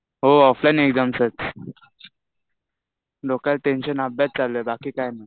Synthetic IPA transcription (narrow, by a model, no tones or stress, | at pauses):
ɦoɔflajneɡd͡zamsət | lokəlʈẽnɕənabat̪̚t͡salːoɛbakiːkajna